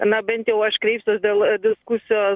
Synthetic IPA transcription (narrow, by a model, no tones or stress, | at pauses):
nɐbʲɛnʲt̪ʲjɛʊɐʃkɾʲɛɪpʲsʲosʲd̪ʲeːlˠd̪ʲɪskusʲɪjoː